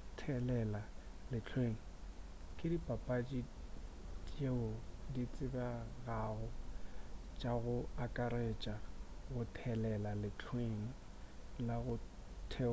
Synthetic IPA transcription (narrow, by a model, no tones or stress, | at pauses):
tʰɛlɛla | lɪt͡ɬʰweŋ̩ | kʼɪdipʼapʼat͡ʃʼi | tʼeʊdit͡sʼɪbaɣaɣɔ | t͡ʃʼaɣʊakʼaɾet͡ʃʼaɣʊtʰɛlɛlalɪt͡ɬʰweŋ̩ | laɣʊ | tʰɛ